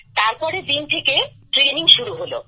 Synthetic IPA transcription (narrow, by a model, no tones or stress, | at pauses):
t̪aɾpɔɾed̪int̪ʰekeʈɾeniŋʃuɾuɦolo̰